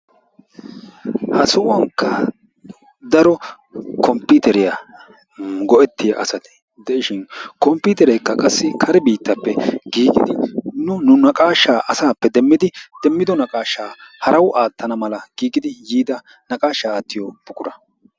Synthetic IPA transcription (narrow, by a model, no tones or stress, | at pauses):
hɐsʊʔʊwɐŋkːɐ | d̪ɐɾɔ | kɔmpːit̪ɛɾɪjɐ | ɡɔʔɛt̪ːɪjaʔɐsɐt̪ɪ̥ | d̪ɛʔɪʃɪnkɔmpːiːt̪ɛɾɛjkːɐkʼɐsːɪkʰɐɾɛbiːt̪ːɐpːɛɡiːɡɪ̰d̪ɪnʊnʊnɐkʼaːʃːaːʔɐsaːpːɛd̪ɛmːɪd̪ɪd̪̥ɛmːɪd̪ɔnɐkʼaːʃːaːhɐɾɐwʔaːt̪ːɐnɐmɐlɐɡ̥iːɡɪd̪ɪjiːd̪ɐ | nɐkʼaːʃːaːt̪ːɪjɔb̥ʊkʊɾɐ